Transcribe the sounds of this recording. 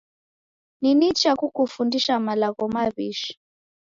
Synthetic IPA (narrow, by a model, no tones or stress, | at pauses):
ninit͡ʃakukufundiʃamalaɣɔmaβiʃi̥